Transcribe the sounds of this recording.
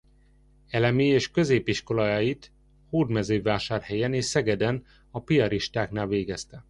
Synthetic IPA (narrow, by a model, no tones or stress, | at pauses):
ɛlɛmiːeːʃkø̞zeːpiʃko̞lɒjajit̪ | hoːd̪mɛzøːvaːʃaːrhɛjɛneːʃsɛɡɛd̪ɛn | ɒpijɒɾiʃt̪aːknaːlveːɡɛst̪ɛ